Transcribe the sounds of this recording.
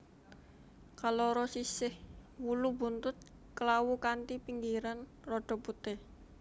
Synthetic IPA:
kaloɾɔsisɪhwulubunt̪ʊt̪̚ | kəlawukant̪ipiŋɡiɾan | rɔɖ̥ɔ̤put̪e

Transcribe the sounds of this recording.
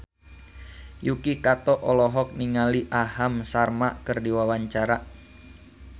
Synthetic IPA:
jukikat̪ɔʔɔlɔɦɔk̚niŋaliʔahamsarmaʔkərdiwawaɲt͡ʃaɾaʔ

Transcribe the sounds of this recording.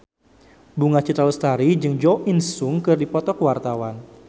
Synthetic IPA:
buŋat͡ʃit̪ɾalust̪aɾid͡ʒɨŋd͡ʒɔʔinsʊŋkɨrdipɔt̪ɔkwart̪awan

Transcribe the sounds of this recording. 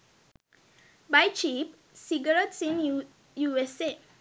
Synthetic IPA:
bajt͡ʃip̚ | siɡəɹətsĩn | juɛset̚

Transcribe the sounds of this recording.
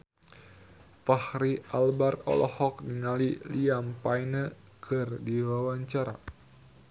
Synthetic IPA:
fahɾialbarɔ̰lɔ̰hɔk̚niŋaliliampajnə | kʰɨrdiwawaɲt͡ʃaɾa̰

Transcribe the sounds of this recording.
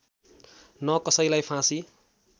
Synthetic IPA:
nʌkʌsʌjlajpʰãsi

